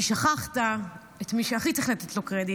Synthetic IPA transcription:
iʃaχaχta | et̪miʃeaχit̪eχlet̪et̪lokʁedi

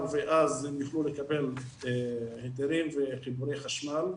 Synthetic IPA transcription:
veʔazemjuχlulekabe̞l | het̪eɾimveχibuɾejχaʃmal

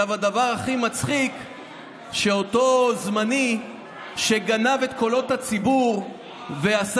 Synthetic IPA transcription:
avadavaʁaχimat͡sχik | ʃe̞o̞to̞zmani | ʃe̞ɡanave̞tko̞lo̞that͡sibuʁ | ve̞as

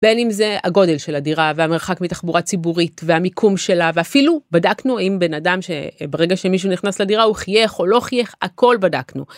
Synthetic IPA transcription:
b̥enimze̞a̰ɡo̞de̞lʃe̞ladiʁaveameʁχakmitaχbuʁat͡sibuʁitveamikʰumʃe̞laveafilubadaknuaimbe̞nadamʃḛbeʁeɡaʃe̞miʃ̬uniχnasladiʁauχje̞χo̞lo̞χje̞χako̞lbada̰knṵ

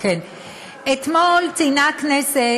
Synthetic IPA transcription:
ken | et̪molt͡sinaknese

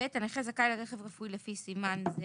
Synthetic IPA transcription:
et̪aneχezakajlaʁeχevʁafujlefisimanz

